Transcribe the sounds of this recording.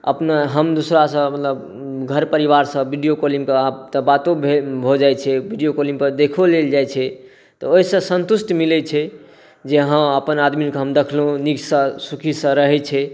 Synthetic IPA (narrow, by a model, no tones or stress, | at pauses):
ə̰pnaɦəmd̪usɾasə̃mət̪ləb | ɡʱəɾpəɾibaɾsə̃biɖijokolimkeat̪əbat̪obʱebʱod͡ʒajt͡ʃʰɛbʱiɖijokolimpəɾd̪ekʰoleld͡ʒajt͡ʃʰɛ | t̪ɔoɦisə̃sənt̪usʈmilɛt͡ʃʰɛ | d͡ʒeɦə̃əpənad̪mikɦəmd̪ekʰlɦũniksə̃sukʰisə̃ɾəɦɛt͡ʃʰɛ